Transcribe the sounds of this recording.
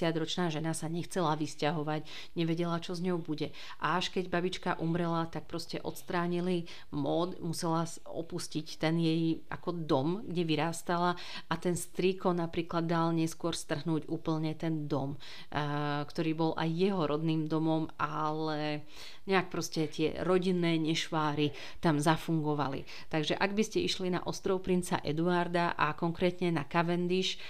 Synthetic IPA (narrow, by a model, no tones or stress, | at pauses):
t̪ɪad͡z̪ɾɔt͡ʃnaːʒɛnasaɲɛxt͡sɛlaʋiscaɦɔʋaɟ | ɲɛʋɛɟɛlat͡ʃɔzɲɔʊbuɟɛ | ʔaaʃkɛɟbabit͡ʃkaʔumɾɛlat̪ak̚pɾɔscɛʔɔt̪st̪ɾaːɲili | mɔd̪musɛlas | ɔ̰puscict̪ɛnjɛjʔa̰kɔd̪ɔmɡɟɛʋiɾaːst̪ala | ʔat̪ɛnst̪ɾiːkɔnapɾiːklad̪ːalɲɛskʊɔɾst̪r̩ɦnuːɟuːpl̩ɲɛt̪ɛnd̪ɔm | kt̪ɔɾiːbɔlʔa̰jːɛɦɔɾʔɔd̪niːmd̪ɔmɔmʔalɛ | ɲɛak̚pɾɔscɛt̪ɪɛ̰ɾɔɟinːɛːɲɛʃʋaːɾi | t̪amzafuŋɡɔʋalḭ | t̪aɡʒɛʔaɡbiscɛʔiʃlina̰ʔɔst̪ɾɔʊpɾint͡sa̰ʔɛ̰d̪uaɾd̪aʔakɔŋkɾɛːt̪ɲɛnakaʋɛnd̪iʃ